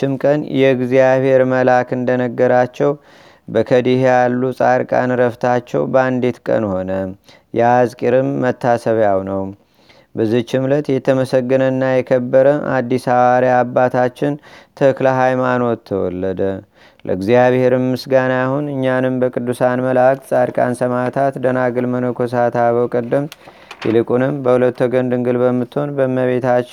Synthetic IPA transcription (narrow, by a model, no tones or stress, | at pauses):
ɪmkʼənjɛɨɡzijaβhe̞ɾməlakɨnd̪ənəɡːəɾat͡ʃːɛw | bəkʰəd̪ihejalːusʼaɾkʼa̰nɾəft̪ʰat͡ʃːɛ̰wbəand̪et̪kʼə̰nho̞nə | jɛzkʼiɾɨmːət̪ʰːasəβjawnəw | bəzːiht͡ʃːɪmlət̪jɛt̪ʰəməsəɡːɨnənːajɛkʰəbːəɾəʔa̰d̪ːisaβaɾjaabːat̪ʰat͡ʃːɪnt̪ʰəklaɦajmano̞t̪ʰːəwɔ̰lːəd̪ə | lʔə̰ɨɡzijaβhe̞ɾɨmːɨsɡanajahunɨɲːanɨmbəkʼɨd̪ːusanməlakt̪sʼaɾkʼa̰nsəmat̪ʰat̪d̪ənaɡɨlmənokʰos̬at̪aβəwkʼəd̪ːəm | jɛlɨkʼunɨmbəhulət̪ːoɡənd̪ɨŋɡɨlbəmːɨt̪ːho̞nbəmːəβe̞t̪ʰat͡ʃː